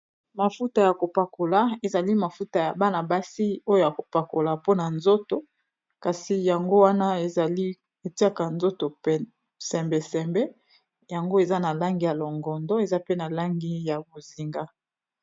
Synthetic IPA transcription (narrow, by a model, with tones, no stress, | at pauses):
ma˨fu˦ta˨ja˨ko˨pa˨ko˨la˨e˨za˨li˦ma˨fu˦ta˨ja˨ba˦na˨ba˦si˦o˦jo˦ja˨ko˨pa˨ko˨la˨po˦na˨nzo˦to˨ | ka˨si˨ja˨ŋɡo˦wa˦na˦e˨a˨li˦ | e˨ti˦a˦ka˨nzo˦to˨p | sɛ˨mbe˨sɛ˨mbɛ˦ | ja˨ŋɡo˦e˨za˦na˨la˦ŋɡi˨ja˨lo˨ŋɡɔ˨ndɔ˦e˨za˦pe˦na˨la˦ŋɡi˦ja˨bo˨zi˨ŋɡa˦